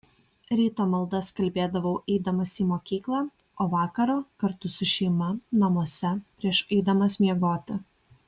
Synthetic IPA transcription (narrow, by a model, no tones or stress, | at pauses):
ɾʲiːt̪oːmɐlˠd̪ɐskɐlʲbʲeːd̪ɐʋɐʊʔɛɪd̪ɐmɐsiːmoːkʲiːklˠɑː | oːʋɑːkɐɾoːkɐɾt̪ʊsʊʃʲɛɪmɐnɐmuɔsʲɛpʲɾʲiɛʃɛɪd̪ɐmɐsʲmʲiɛɡoːt̪ʲɪ